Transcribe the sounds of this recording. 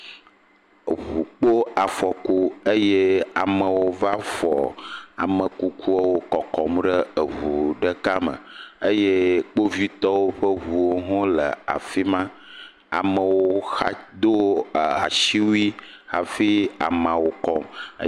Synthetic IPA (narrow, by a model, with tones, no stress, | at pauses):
ɦu˨k͡po˦a˨fɔ˨ko˦ə˦je˦a˨mə˨wo˦va˦fɔ˨a̰˨mə˨ku˦ku˦ɔ˦wo˦kɔ˨kɔ˨mɖə˦ə˨ɦu˨ɖə˦ka˦mə̰˨ə˦je˦k͡po˦vi˦t̪ɔ˦wo˦ɸə˦ɦu˨wo˦ɦɔ̃˦lə̰˨a̰˨fi˦mã˦ | a̰˨mə̃˨wo˦xa̰˦d̪o˦˨a̰˨ʃi˦wu˦i˦xa˨fi˦a̰˨mã˨wo˨kɔ˦m̰˦